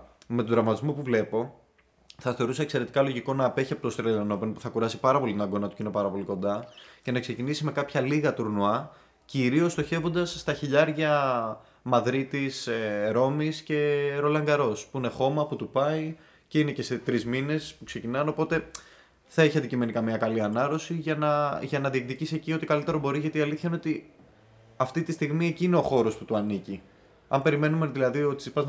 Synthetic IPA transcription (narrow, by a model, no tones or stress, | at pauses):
me̞t̪od̪ɾɐmɐt̪izmopuvle̞po̞ | θɐθe̞ɾuseːkse̞ɾe̞t̪i̥kɐlo̞ʝiko̞nɐːpe̞çiɐpo̞t̪ost̪ɾelelɐno̞penopu̥θɐkuɾɐsi̥pɐɾɐpo̞lit̪inɐɡo̞nɐt̪u̥ceinepɐɾɐpo̞liko̞nd̪ɐce̞nɐkse̞cinisime̞kɐpçɐliɣɐt̪uɾnuɐ | ciɾio̞st̪o̞çe̞vo̞nd̪ɐsːt̪ɐçiʎɐɾʝɐ | mɐðɾit̪iseɾo̞misce̞ɾo̞lɐŋɡɐɾo̞spuine̞xo̞mɐput̪upɐi | ceine̞ce̞se̞t̪ɾizmine̞spukse̞cinɐno̞po̞t̪e̞ | θɐeçiɐnd̪icime̞nikɐmiɐkɐliɐnɐɾo̞siʝɐnɐʝɐnɐðiekðicisiecio̞t̪ikɐlit̪e̞ɾo̞bo̞ɾiʝɐt̪iɐliθçɐinot̪i | ɐft̪it̪ist̪iɣmie̞ciːneo̞xo̞ɾo̞sput̪uɐnici | ɐ̰mpe̞ɾime̞numeðilɐðio̞t̪i̥sipɐz